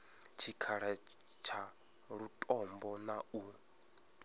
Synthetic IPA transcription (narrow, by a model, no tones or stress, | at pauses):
t͡ʃʰikʰaɺɛ | t͡ʃʰa | ɺutʼɔmbɔnau